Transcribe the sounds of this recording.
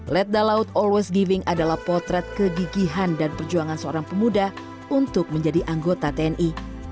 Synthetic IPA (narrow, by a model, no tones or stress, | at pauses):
lɛt̪̚dalaut̪ɔlwɛsɡivɪŋadalahpɔrt̪ɾɛt̪̚kəɡiɡiɦandanpərd͡ʒuaŋansəoɾaŋpəmudah | unt̪ʊk̚məɲd͡ʒadiʔaŋɡot̪at̪eɛnʔi